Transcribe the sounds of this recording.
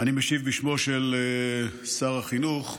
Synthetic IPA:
animeʃivbiʃmo̞ʃele | saʁaχinuχ

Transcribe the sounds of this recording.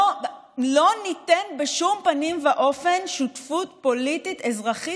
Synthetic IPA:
lo̞nitenbeʃumpanimvaʔo̞fe̞nʃutfutpo̞litit̪ezʁaχi

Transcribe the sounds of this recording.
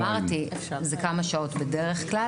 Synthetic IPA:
aʁti | zekamaʃao̞tbedeʁeχkla

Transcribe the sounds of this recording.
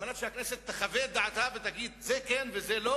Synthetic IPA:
anafʃehakneset̪ːaχavet̚d̪aʕat̪avet̪aɡid̪zekenvezelo

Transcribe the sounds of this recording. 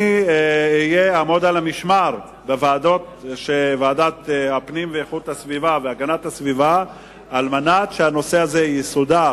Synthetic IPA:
iijeamo̞d̪alamiʃmaʁ | bevaːd̪o̞t̪ʃevaːd̪at̪apnimveeχut̪asvivaveaɡanat̪hasvivaː | lmanatʃeano̞seazejisud̪a

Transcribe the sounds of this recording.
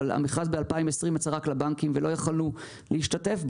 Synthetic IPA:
la̰miχazbealpaimesʁimet͡saʁaklabaŋkimvelo̞jaχalnu | liiʃtate̞fb

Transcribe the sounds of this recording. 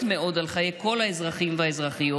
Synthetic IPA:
t̪meo̞d̪alχajeko̞laezʁaχimvaezʁaχijo

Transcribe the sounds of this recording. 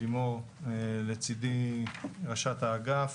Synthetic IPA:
imoʁ | let͡sid̪i | ʁaʃat̪aːɡaf

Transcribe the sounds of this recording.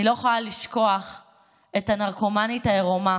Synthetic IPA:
ilo̞eχoaliʃko̞aχ | e̞tanaʁko̞manitajeʁoma

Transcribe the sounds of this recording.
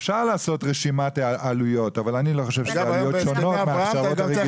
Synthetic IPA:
efʃaʁlaːso̞tʁeʃimatʔalujo̞tavalanilo̞χo̞ʃevʃezaujoʃonotmeaʃaʁotaʁe

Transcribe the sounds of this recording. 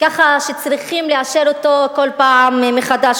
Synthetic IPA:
kaχaʃet͡sʁiχimleaʃeɾot̪o̞ko̞lpaʕammeχad̪aʃ

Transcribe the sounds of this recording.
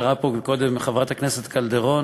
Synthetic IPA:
ʁapoko̞d̪emeχavʁat̪akneset̪kald̪eʁo̞

